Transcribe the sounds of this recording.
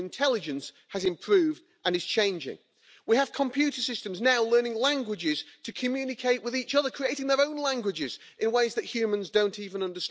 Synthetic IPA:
ntʰɛlˠɪd͡ʒɨ̃ns | həzɨ̃mpʰɹ̥ʉːvd | ʔə̃nɨz̥t͡ʃʰẽɪ̃nd͡ʒɪ̰̃ŋ | wiəv̥kʰə̃mpʰj̥ʉˑɾəsɪstə̃mznaʊlɜ˞nɪ̃ŋlæ̃ŋɡwɪd͡ʒɪz̥tʰɨkʰɨmjʉːnɪkʰeɪʔwɪðiˑt͡ʃʌðə˞kʰɹ̥ieɪɾɪ̃ŋðə˞õʊ̃nlæ̃ŋɡwɪd͡ʒɪz | ʔɪ̃nweɪzðɨʔhjʉːmə̃nzdõʊ̃ntiːvə̃nʌ̃ndə˞st

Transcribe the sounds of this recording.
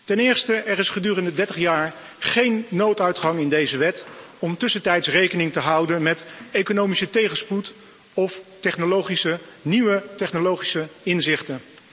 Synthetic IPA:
tɛnɪːɹstəʔɛɾɪsχədyːrəndədɛɹtəχjaːɹ | χejnːowtœɥtχɑŋɪndejzəʋɛtɔmtʏsəntɛjtsrejkənɪŋtəɦʌwdənmɛtekonowmisətejχəsput | ɔftɛχnolowχisə | niʋətɛχnolowχisəɪnzɪχtə

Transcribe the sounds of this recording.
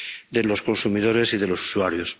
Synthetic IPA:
d̪e̞lo̞sko̞nsumiðo̞ɾe̞siðe̞lo̞su̥suaɾjo̞s

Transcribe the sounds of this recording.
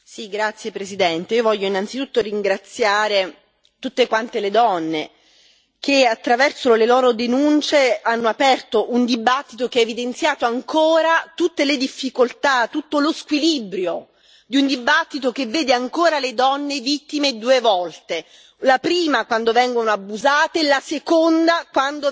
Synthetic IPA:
siɡɾat̪sːjepɾesid̪ɛnt̪eiːovɔʎːoinːant̪sit̪ut̪ːoɾiŋɡɾat̪sːjaːɾe | t̪ut̪ːekwant̪eled̪ɔnːe | k̟eat̪ːɾavɛrsolelɔːɾod̪enunt͡ʃeanːoapɛrt̪oʔund̪ibat̪ːit̪ok̟eɛevid̪ent̪sjaːt̪oaŋkoːɾat̪ut̪ːeled̪ifːikolt̪at̪ut̪ːoloskwilibɾjo | d̪iund̪ibat̪ːit̪ok̟evːeːd̪eaŋkoːɾaled̪ɔnːevit̪ːimed̪uːevɔlt̪e | lapɾiːmakwand̪ovɛŋɡonoabːuzaːt̪elasekond̪akwand̪o

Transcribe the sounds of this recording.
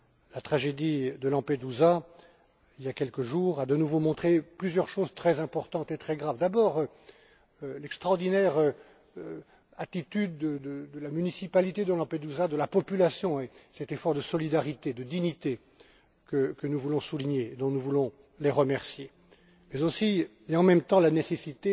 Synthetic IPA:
lat̪χaʒed̪id̪əlɑ̃ped̪uza | iljakʲɛlkəʒuʁad̪ənuvomɔ̃t̪χeplyzjœʁʃozt̪χɛzɛ̃pɔʁt̪ɑ̃t̪et̪χɛɡʁavd̪abɔʁø | lɛkst̪χɔʁd̪inɛʁø | at̪it̪yd̪ːəd̪əd̪əlamynisipalit̪ed̪əlɑ̃ped̪uzad̪əlapɔpylasjɔ̃esɛt̪efɔʁd̪əsɔlid̪aʁit̪ed̪əd̪iɲit̪e | kəkənuvulɔ̃suliɲeːd̪ɔ̃nuvulɔ̃ | leʁəmɛʁsje | mɛzosi | eɑ̃mɛmt̪ɑ̃lanesesit̪e

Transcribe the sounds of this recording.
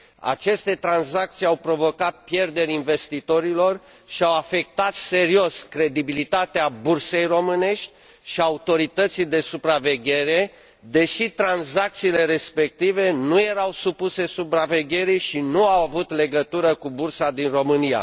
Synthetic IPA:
a̰t͡ʃe̞st̪e̞t̪ɾanzak̚t̪sijawpɾo̞vo̞kat̪̚pje̞rd̪e̞ɾʲinve̞st̪it̪o̞ɾilo̞r | ʃiawafe̞k̚t̪at̪se̞ɾio̞skɾe̞d̪ibilit̪at̪eaburse̞jro̞mɨne̞ʃt̪ʲ | ʃiaut̪o̞ɾit̪ət̪sijd̪e̞supɾave̞ɡʲe̞ɾe̞ | d̪e̞ʃit̪ɾanzak̚t̪siːle̞ɾe̞spe̞k̚t̪ive̞nuje̞ɾawsupuse̞supɾave̞ɡʲe̞ɾiʃinuawavut̪le̞ɡət̪uɾəkubursad̪inro̞mɨnia̰

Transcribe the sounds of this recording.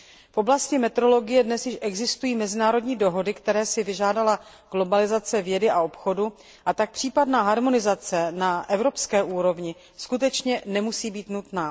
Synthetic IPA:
fʔo̞blascɪmɛt̪ɾo̞lo̞ɡɪjɛdnɛsjɪʃʔɛɡzɪst̪ujiːmɛzɪnaːɾo̞dɲiːdo̞ɦo̞dɪkt̪ɛɾɛːsɪvɪʒaːdala | ɡ̥lo̞balɪzat͡sɛvjɛdɪaopxo̞du | ʔat̪ak̚pr̝̥iːpadnaːɦaɾmo̞nɪzat͡sɛnaʔɛvɾo̞pskɛːʔuːɾo̞vɲɪ | skut̪̬ɛt͡ʃɲɛnɛmusiːbiːt̪nut̪naː

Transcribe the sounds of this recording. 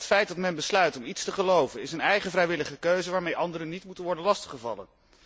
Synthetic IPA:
tfɛjt̚dɑtmɛnbəslœɥtɔmitstəχəlowvənɪsənɛjχəvrɛjʋɪləχəkøɥzəʋaːɹmejʔɑndəɾənːitmutənʋɔɹdənlɑstə̥χəvɑ̰lə̰n

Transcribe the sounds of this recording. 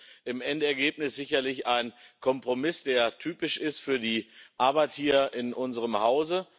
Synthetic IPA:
ʔɪmʔɛntɛɐɡeːp̚nɪsz̥ɪçɐlɪçaɪnkʰɔmpʁ̥omɪsd̥eːɐtʰyːpɪʃɪstfyːɐdiːʔaɐbaɪthiːɐɪnʔʊnzəʁəmhaʊzə

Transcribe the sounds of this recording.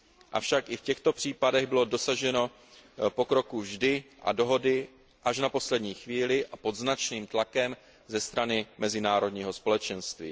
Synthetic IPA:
ʔa̰fʃakʔɪfcɛxt̪o̞pr̝̥iːpadɛɣbɪlo̞do̞saʒɛno̞ | po̞kɾo̞kuvʒdɪʔa̰do̞ɦo̞dɪ | ʔaʃ̬napo̞slɛdɲiːxviːlɪʔapo̞d̪znat͡ʃniːmt̪lakɛm | zɛst̪ɾanɪmɛzɪnaːɾo̞dɲiːɦo̞spo̞lɛt͡ʃɛnst̪vḭː

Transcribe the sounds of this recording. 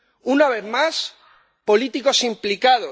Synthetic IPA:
unaβ̞eθmas | po̞lit̪iko̞simplikaðo

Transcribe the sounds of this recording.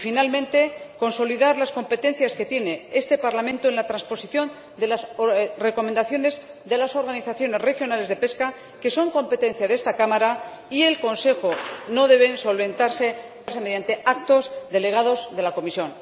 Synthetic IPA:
finalmẽ̞nt̪e̞ko̞nso̞liðaɾlasko̞mpe̞t̪e̞nθjaske̞t̪je̞ne̞est̪e̞paɾlamẽnt̪oenlat̪ɾanspo̞siθjon | d̪e̞lasre̞ko̞mend̪aθjo̞ne̞z | ðe̞laso̞ɾɣaniθaθjo̞ne̞zre̞xjo̞nale̞zðe̞pe̞ska | ke̞so̞ŋko̞mpe̞t̪e̞n̟θjaðe̞st̪akamaɾa | ie̞lko̞nse̞xo̞no̞ðe̞β̞e̞nso̞lβẽ̞nt̪aɾse̞ | aɾseme̞ðjant̪e̞ʔak̚t̪o̞zðe̞le̞ɣ̞að̞o̞zðe̞lako̞misjo̞n

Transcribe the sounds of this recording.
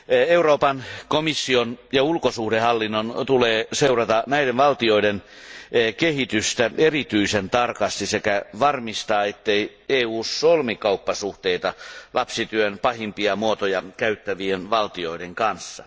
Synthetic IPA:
euroːpɑnkomisːionjɑulkosuhdehɑlːinːont̪uleːseurɑt̪ɑnæideʋʋɑlt̪ioidenː | kehit̪yst̪æerit̪yisent̪ɑrkɑst̪isekæʋɑrmist̪ɑːet̪ːeieːuːsːolmikɑupːɑsuht̪eit̪ɑlʔɑpsit̪yønpɑhimpiɑmuot̪ojɑkæyt̪ːæʋienʋɑlt̪ioideŋkɑnsːɑ̰

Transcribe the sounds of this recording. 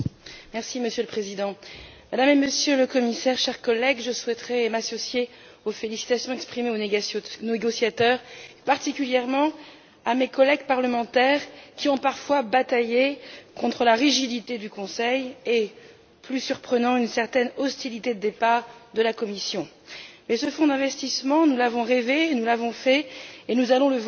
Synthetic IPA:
mɛʁsiməsjøləpχezid̪ɑ̃mad̪ameməsjøləkɔmisɛʁʃɛʁkɔlɛɡʒəswɛt̪χɛmasɔsje | ofelisi̥t̪asjɔ̃ɛkspχimeoneneɡɔsjat̪œʁpaʁt̪ikʲyljɛʁmɑ̃ | amekɔlɛɡpaʁləmɑ̃t̪ɛʁkʲiɔ̃paʁfwabat̪ajekɔ̃t̪χəlaʁiʒid̪it̪ed̪ykɔ̃sɛje | plysyʁpχənɑ̃ynsɛʁt̪ɛnɔst̪ilit̪ed̪əd̪epaʁd̪əlakɔmisjɔ̃ | mɛsəfɔ̃d̪ɛ̃vɛst̪ismɑ̃nulavɔ̃ʁevenulavɔ̃fɛenuzalɔ̃ləv

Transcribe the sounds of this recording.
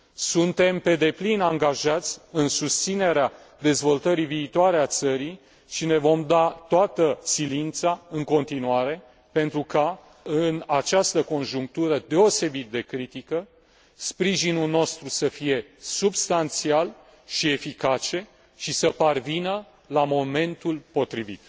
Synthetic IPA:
sunt̪e̞mpe̞d̪e̞plinaŋɡaʒat̪sʲɨnsust̪sine̞ɾea | d̪e̞zvo̞lt̪əɾiviːt̪oaɾe̞at̪səɾi | ʃine̞vo̞md̪at̪oat̪əsilint̪saɨŋko̞nt̪inuaɾe̞ | pe̞nt̪ɾuka | ɨnat͡ʃast̪əko̞nʒuŋk̚t̪uɾəd̪e̞o̞se̞bit̪̚d̪e̞kɾit̪ikə | spɾiʒinulno̞st̪ɾusəfije̞subst̪ant̪sial | ʃie̞fikat͡ʃe̞ | ʃisəparvinə | lamo̞me̞nt̪ulpo̞t̪ɾivḭt̪

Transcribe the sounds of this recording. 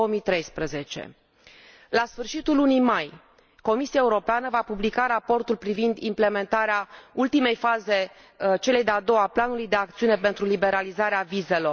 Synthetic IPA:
oomijt̪ɾe̞jspɾəze̞t͡ʃe̞̰ | lasfɨrʃit̪ulːunijmaj | ko̞misiaeuɾo̞peanəvapublikaɾapo̞rt̪ulpɾivind̪imple̞me̞nt̪aɾeault̪ime̞jfaze̞ | t͡ʃe̞le̞jd̪ead̪o̞waplanulujd̪e̞ak̚t̪siunepe̞nt̪ɾulibe̞ɾalizaɾeavize̞lo̞

